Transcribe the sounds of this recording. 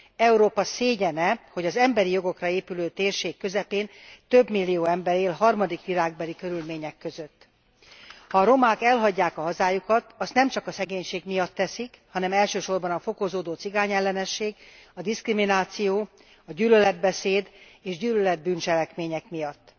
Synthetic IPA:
ɛuɾoːpɒseːɟɛnɛho̞ɟɒzɛmbɛɾijoɡo̞krɒeːpyløːt̪eːrʃeːkːø̞zɛpeːn | t̪ø̞bmilːijoːɛmbɛɾeːlɦɒrmɒd̪ikʋiɾaːɡ̚bɛlikø̞ɾylmeːɲɛkːø̞zøt̪ː | hɒːɾo̞maːkɛlɦɒɟːaːkɒɦɒzaːjukɒt̪ɒst̪nɛmt͡ʃɒkɒsɛɡeːɲʃeːɡmijɒt̪ːɛsikhɒnɛmɛlʃøːʃo̞rbɒnɒfo̞kozoːd̪oːt̪siɡaːɲɛlːɛnɛʃːeːɡɒd̪iskriminaːt̪sijoː | ɒɟyːlølɛd̪̚bɛseːd̪eːʒɟyːlølɛd̪̚bynt͡ʃɛlɛkmeːɲɛkmijɒt̪ː

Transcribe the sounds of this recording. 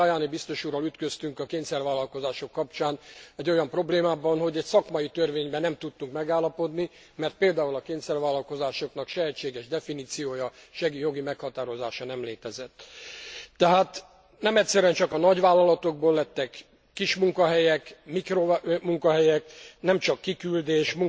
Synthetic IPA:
ɒjaːnibist̪o̞ʃuːrɒlyt̪kø̞st̪yŋkɒkeːɲsɛrvʋaːlːɒlko̞zaːʃo̞kːɒpt͡ʃaːnɛɟːo̞jɒmpro̞bleːmaːbɒnho̞ɟɛcsɒkmɒit̪ørveːɲbɛnɛmt̪ut̪ːuŋkmɛɡaːlːɒpo̞d̪ni | mɛrt̪̚peːld̪aːulɒkeːnsɛrvaːlːɒlko̞zaːʃo̞kn̪ɒkʃɛɦɛt͡ʃːeːɡɛʒd̪ɛfiniːt̪sijoːjɒʃɛɡijo̞ɡimɛkhɒt̪aːɾo̞zaːʃɒnɛmleːt̪ɛzɛt̪ː | ɛɦaːt̪ | nɛmɛcʲsɛɾyɛnt͡ʃɒkɒnɒɟʋaːlːɒlɒt̪o̞ɡ̚boːlːɛt̪ːɛkː | iʃmuŋkɒɦɛjɛkmikromuŋkɒɦɛjɛknɛmt͡ʃɒkːikyld̪eːʃmuŋ

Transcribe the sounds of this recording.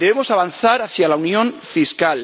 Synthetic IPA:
eβemosaβ̞anθaɾaθjalaunjõɱfiskal

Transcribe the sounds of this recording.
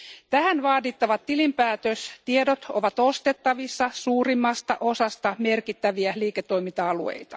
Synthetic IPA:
t̪æhænʋɑːdit̪ːɑʋɑt̪tːilimpæːt̪øst̪iedot̪oʋɑt̪o̞st̪e̞t̪ːɑʋisːɑsuːrimːɑst̪ɑʔo̞sɑst̪ɑme̞rkit̪ːæʋiæliːket̪ːo̞imint̪ɑɑluḛjt̪ɑ̰̥

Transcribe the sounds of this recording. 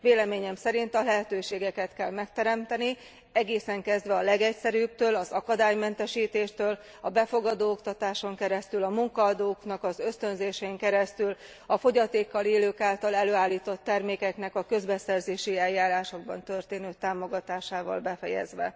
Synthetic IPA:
veːlɛmeːɲɛmsɛɾint̪ɒlɛɦɛt̪øːʃeːɡɛkɛt̪kɛlmɛkt̪ɛɾɛmt̪ɛni | ɛɡeːsɛŋkɛzd̪ʋɛɒlɛɡɛcsɛɾyːb̚t̪øːlɒzɒkɒd̪aːjmɛnt̪ɛʃiːt̪eːʃt̪øːl | ɒbɛfo̞ɡɒd̪oːokt̪ɒt̪aːʃo̞ŋkɛɾɛst̪ylɒmuŋkɒːd̪oːknɒkɒzø̞st̪ø̞nzeːʃɛiŋkɛɾɛst̪yl | ɒfo̞ɟɒt̪eːkːɒleːløːkaːlt̪ɒlɛløːaːlːiːt̪o̞t̪ːɛrmeːkɛknɛkɒkø̞zbɛsɛrzeːʃiɛjːaːɾaːʃo̞ɡ̚bɒ̰nt̪ø̞rt̪eːnøːt̪aːmo̞ɡɒt̪aːʃaːvɒ̰lbɛfɛjɛ̰zʋɛ̰

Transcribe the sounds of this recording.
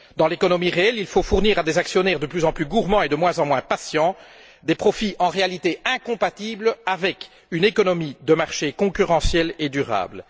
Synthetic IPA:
d̪ɑ̃lekɔnɔmiʁeɛlilfofuʁniːʁad̪ezaksjɔnɛʁd̪əplyzɑ̃plyɡuʁmɑ̃ed̪əmwɛ̃zɑ̃mwɛ̃pasjɑ̃ | d̪epχɔfiʔɑ̃ʁealit̪eɛ̃kɔ̃pat̪iblavɛk | ynekɔnɔmid̪əmaʁʃekɔ̃kyʁɑ̃sjɛled̪yʁa̰ːbl

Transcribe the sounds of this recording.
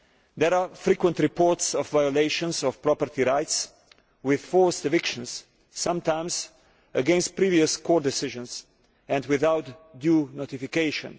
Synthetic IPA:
d̪ɛɾafɾikwə̃nt̪ɾipɔɹt̪sɔfvajɔleɪʃɔ̃nsɔfpɾɔpəɾt̪iɾaɪt̪s | wɪð̥fɔɹsdəvɪkʃɔ̃nsː | ãmt̪ãɪ̃ms | əɡɛ̃nst̪̚pɾiːviəskʰɔːɾd̪ɛsɪʒə̃ns | ɛ̃ndwɪðawt̪djuːnot̪ifikeɪʃɔ̰̃n

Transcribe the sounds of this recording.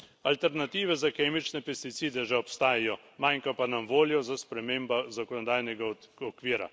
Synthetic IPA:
alt̪ɛɾnat̪iːʋɛzakeːmit͡ʃnɛpɛst̪it̪siːd̪ɛʒɛɔpst̪aːjajɔ | majŋkapanamʋoːljɔzaspɾɛmeːmbazakɔnɔd̪aːjnɛɡaɔkʋiːɾa̰

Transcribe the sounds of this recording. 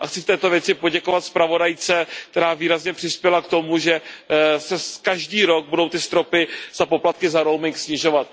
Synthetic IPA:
ʔaxt͡sɪft̪ɛːt̪o̞vjɛt͡sɪpo̞ɟɛko̞vat̪spɾavo̞dajt͡sɛk̚t̪ɛɾaːviːɾazɲɛpr̥ɪspjɛlakt̪o̞muʒɛsɛkaʒdiːɾo̞ɡ̚budo̞wt̪ɪst̪ɾo̞pɪz̥apo̞plat̪̚kɪzaɾo̞wmɪŋksɲɪʒo̞vat̪̚

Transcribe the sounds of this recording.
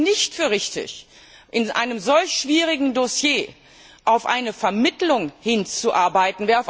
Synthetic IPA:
nɪçtfyːɐʁɪçtɪ̰ç | ʔɪnʔa̰ɪnəmzɔlçʃv̥iːʁɪɡŋ̩dosjeː | ʔaʊfʔa̰ɪnəfɛɐmɪtlʊŋhɪnt͡suʔaɐbaɪtn̩veːɐaʊf

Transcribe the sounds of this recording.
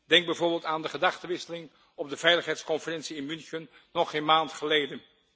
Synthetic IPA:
dɛŋɡ̚bɛjvoːɹbɪːlˠtaːndəχədɑχtəʋɪsəlɪŋ | ɔb̚dəv̥ɛjləχɦɛjtskɔnfərɛnsiɪnmʏnxənː | ɔχeːnmaːntχəlejdən

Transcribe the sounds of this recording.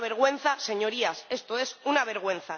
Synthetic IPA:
βeɾɣ̞wẽ̞n̟θase̞ɲo̞ɾiase̞st̪oe̞sunaβ̞e̞ɾɣwẽ̞nθa

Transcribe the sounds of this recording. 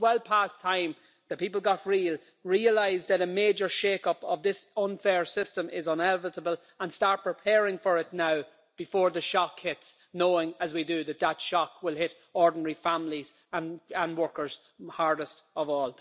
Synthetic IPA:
wɛlˠpʰastʰãɪ̃m | ðəpʰipəl̩ˠɡɑtɹiːlˠ | ɹiəlaɪzðəɾəmeːd͡ʒə˞ʃeːkʌpəvðɪsʌ̃nfɛɹsɪstə̃mʔɪzə̃nɛlvəɾəbəlˠ | ə̃nstɑɹt̚pʰɹ̥ɪpʰɛɹɪ̃ŋfə˞ɪtⁿnaʊ | b̥ɪfɔːɹðəʃɑkhɪts | noʊɪ̃ŋəzwidɨðət̪̚ðətʃɑkwɪlˠɦɪɾ | ɔɹdⁿn̩ɛɹifãmliz | ə̃nə̃nwɜ˞kə˞z̥ | haɹdəstəvɔːlˠ

